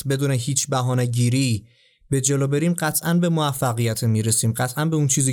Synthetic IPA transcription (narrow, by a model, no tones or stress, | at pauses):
be̞d̪uːneɦiːt͡ʃʰbæɦɒːneɟiːɾiː | be̞d͡ʒeloːbe̞ɾiːmɢæt̪ʰʔænbe̞moæfːæɣijæt̪ʰemiːɾe̞siːmɢæt̪ʰʔænbeunt͡ʃʰiːziː